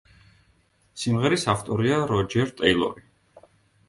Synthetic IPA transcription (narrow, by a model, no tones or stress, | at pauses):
simʁɛɾisaft̪ʼɔɾiaɾɔd͡ʒɛɾt̪ʼɛjlˠɔ̰ɾi